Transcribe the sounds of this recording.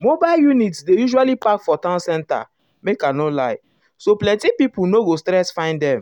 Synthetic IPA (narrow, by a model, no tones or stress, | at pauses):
mobaljunitsdejuʒualipakfɔtãnsɛ̃nta̰ | mekanolaɪ | soplɛ̃ntipipunoɡostɾɛsfãɪ̃ndɛ̃m